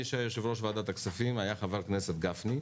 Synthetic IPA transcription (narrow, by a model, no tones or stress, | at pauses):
iʃajoʃevʁoʃvad̪at̪aksafimajaχavaʁknese̞t̪ɡafni